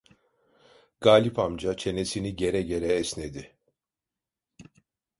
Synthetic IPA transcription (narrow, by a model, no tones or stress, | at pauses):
ɡ̥aːlʲipʰamd͡ʒat͡ʃʰe̞ne̞siniɟe̞ɾɛɟe̞ɾɛːsned̪ɪ